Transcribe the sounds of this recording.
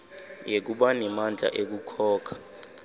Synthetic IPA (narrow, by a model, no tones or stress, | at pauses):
jek̬uɓanɛmand͡ɮʱa̰ʔek̬ukʰɔːkʰḁ